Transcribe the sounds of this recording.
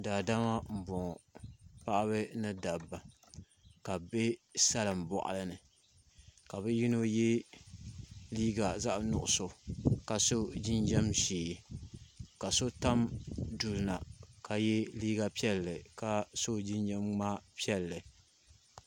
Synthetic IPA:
daː˨da˦ma˦m̩˨bɔ˨ŋ˨pa˦ʔa˦βɨ˦nɨ˦da˨bːa˨ | ka˨be˦sa˦lɨ˨m˨bɔ̰˨ʔa̰˨lɨ˦nɨ˨ | ka˨bɨ˦ji˦no˦jɛ˦ | liː˦ɡa˨za˦ʔnʊ̰˨ʔʊ˨so˨ka˨so˦d͡ʒi˦nd͡ʒɛ˦mʃeː˨ | ka˨so˦ta˦mdu˨lna̰˨ka˨jɛ˦liː˦ɡa˨pi˦ɛ˦lːɨ˨ka˦so˦d͡ʒi˦nd͡ʒɛ˦mŋ͡ma˦pi˦ɛ˦lːɨ˨

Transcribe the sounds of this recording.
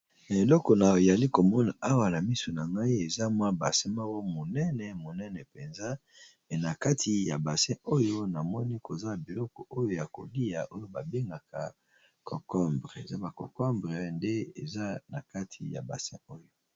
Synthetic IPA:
na˨e˨lɔ˦kɔ˨na˨e˨ja˨li˦ko˨mɔ˦na˨ʔa˦wa˨na˨mi˦so˨na˨ŋɡa˦i˦e˨za˦mwa˦ba˨sɛ̃˦ma˦ɡo˦mo˨nɛ˦nɛ˨mo˨nɛ˦nɛ˨pe˨nza˦ | me˨na˨ka˦tʰi˨ja˨ba˨sɛ̃˦o˦jo˦na˨mɔ˦ni˦ko˨za˦˨bi˨lɔ˦kɔ˨ʔo˦jo˦ja˨ko̰˨li˦a˨ʔo˦jo˦ba˨be˦ŋɡa˨ka˨ | kʰɔ˨kɔ˦mbʁe˨za˦ba˨kɔ̰˨kɔ˦mbʁɛ˨nde˦ḛ˨za˦na˨ka˦tʰi˨ja̰˨ba̰˨sɛ̃˦o˦jo˦

